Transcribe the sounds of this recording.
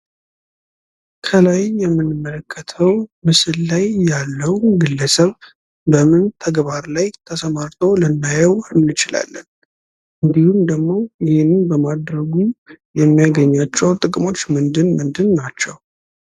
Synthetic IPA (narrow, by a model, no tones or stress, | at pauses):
kʰəlajːɛmːɨnːɨmːələkʰːət̪ʰəwmɨsɨlːajːalːəwnɡɨlːəsəβ | bəmɨnt̪ʰəɡβaɾlajt̪ʰəsəmaɾt̪ʰowlənːajəwɨnːɨt͡ʃɪla̰lːən | ʔɨnd̪ihumd̪əɡmo̞jɪhenɨmbəmad̪ɾəɡujɛmːijaɡəɲːat͡ʃːɛwt̪ʼɨkʼɨmo̞t͡ʃːmɨnd̪ɨnmɨnd̪ɨnːat͡ʃːɛw